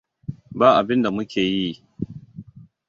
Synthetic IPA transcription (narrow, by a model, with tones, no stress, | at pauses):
baː˦ʔa˨bɪ˦nda˨mʊ˦kʲʰeː˨ji˦